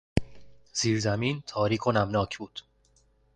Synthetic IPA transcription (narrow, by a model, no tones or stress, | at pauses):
z̥iːɾzæmiːnt̪ʰɒːɾiːkʰonæmnɒːcʰbuːd̪̥